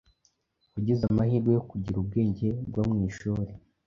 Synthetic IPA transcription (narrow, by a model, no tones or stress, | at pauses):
uɟizamahiːɾɡejokuɟiɾub̚ɡe̞ːɲɟe̞bɡwamŋiːʃuɾe